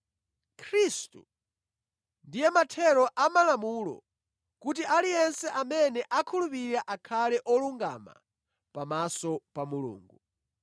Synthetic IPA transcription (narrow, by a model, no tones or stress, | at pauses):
kʰɾistu | ndijɛmatʰɛɾɔʔamalamulɔ̰ | kut̬iʔalijɛnsɛʔamɛnɛʔakʰulupiɾaʔakʰalɛʔɔluŋɡa̰ma̰ | pamasɔpamulṵːŋɡu